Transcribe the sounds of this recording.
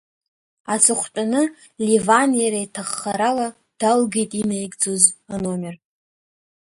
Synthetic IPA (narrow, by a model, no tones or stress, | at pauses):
at͡sʰɨχʷtʼanɨ | livanjaɾaitʰaχːaɾala | d̥alɡejtʼinejɡʼd͡zozanomʲer